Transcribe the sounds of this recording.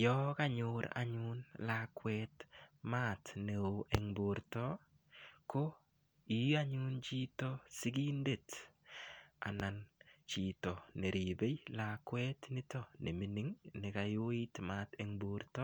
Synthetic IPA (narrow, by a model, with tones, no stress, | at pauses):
jɔ˦ka˦ɲʊɾa̰˨ɲʊ˦nlakwɛtma˦˨tne˨o˨ʔe˨ŋbo˨ɾtɔ˦ | ko˦ | i˨˦a˦ɲʊ˦nt͡ʃi˦to˦sɪ˦ɡi˦nde˦˨t | a̰˨na˨nt͡ʃi˨to˨ne˨ɾi˨be˦jla˨kwɛ˦tnɪ˦tɔ˨ne˨mi˨˦ni˦ŋnɪ˨ka˨jʊ˦ɪ˦tmate˨ŋboɾtɔ˦